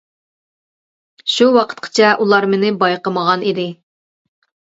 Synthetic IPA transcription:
ʃuwɑqʰə̥t̪qʰə̥t͡ʃʰɛʔulˠɑɾmɪnɪbɑjqəməʁɑnid̪ɪ

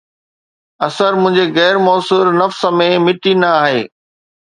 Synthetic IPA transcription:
ɐsəɾmʊ̃ɦɪ̃ɲd͡ʑeɣɛːɾmɔːsuːɾnɐfsəmẽmɪʈinɐaːɦeː

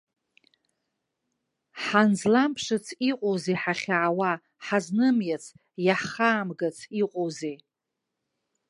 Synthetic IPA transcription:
ħanzlampʰʂɨt͡sʰiqʼowzeħaχʲaʕawa | ħaznɨmjat͡sʰ | jaħχaːmɡat͡sʰiqʼowze

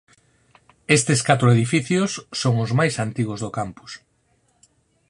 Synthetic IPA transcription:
est̪ɪskat̪ɾʊeðifiθjʊsːoŋʊzmajsant̪iɣ̞ʊzðʊkampʊ̥s

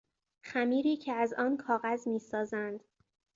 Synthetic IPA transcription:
xæmiːɾiːcʰeæzɒːnkʰɒːɣæzmiːsɒːzænd̪̥

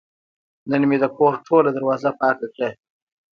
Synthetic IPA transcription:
nənmed̪əkoɾʈʰolad̪əɾwɑzapɑːkakɽe

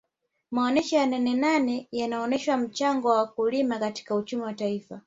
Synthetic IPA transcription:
maɔnɛʃɔjananɛnanɛjanaɔnɛʃwam̩t͡ʃaŋɡɔwawakulimakati̥kaut͡ʃumiwataifa

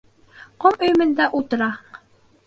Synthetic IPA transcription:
qomɵ̆jmɘ̆nd̪æʔulˠt̪ɤ̆ɾɑ

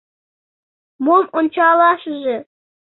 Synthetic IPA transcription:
momonʲt͡ɕɑlˠɑʃɤ̆ʒɘ̆

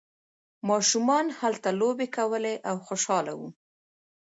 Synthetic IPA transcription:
mɑʃumɑnhalt̪alobekawəleʔawxoʃɑla̰wu

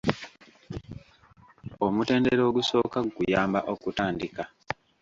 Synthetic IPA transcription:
o̞mute̞ːndeɾo̞ːɡuso̞ːkaɡukujaːmbaʔo̞kutaːndika

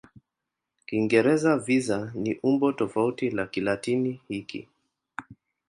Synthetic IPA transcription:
kiŋɡɛɾɛzavizaniʔumbɔtɔfautilakilatinihikḭ

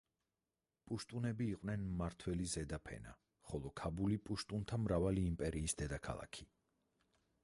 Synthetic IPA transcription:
pʼuʃt̪ʼunɛbiːqʼwnɛnmaɾt̪ʰwɛlizɛd̪apʰɛ̰na̰ | χɔlˠɔkʰabulipʼuʃt̪ʼunt̪ʰamɾavaliːmpʼɛɾiːsd̪ɛd̪akʰa̰lˠa̰kʰi̥

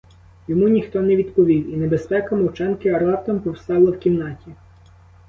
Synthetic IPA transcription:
jɔmunʲixt̪ɔnɛʋʲid̪pɔʋʲiwinebespɛkɐmɔwt͡ʃɛnkɪɐɾlˠɑt̪ɐmpɔwst̪ɑlˠɐwkʲimnɑtʲi

